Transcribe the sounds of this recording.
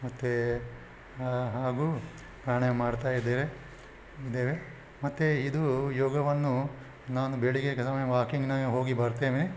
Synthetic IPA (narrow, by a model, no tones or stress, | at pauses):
mɐt̪ːe | ɦaːɡuː | pɾaːɳemaːɖt̪aːjid̪ːeːɾe | id̪eːʋe | mɐt̪ːeid̪ujɔːɡɐʋɐnːu | naːnubeɭikekesɐmɐjɐʋaːkiŋɡnɐɦo̞ːɡibɐɾt̪eːʋni